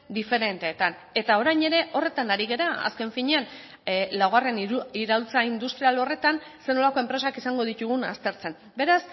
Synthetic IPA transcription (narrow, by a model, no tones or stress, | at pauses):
d̪ife̞ɾe̞nt̪eːt̪an | e̞t̪ao̞ɾajɲe̞ɾe̞ʔo̞re̞t̪anaɾiɣe̞ɾaa̰ske̞ɱfiɲe̞an | lawɣare̞niɾawlt͡saind̪ust̪ɾialo̞re̞t̪an | se̞no̞lako̞e̞mpɾe̞sakisaŋɡo̞ðit̪uɣ̞una̰st̪e̞ɾt͡se̞m | be̞ɾas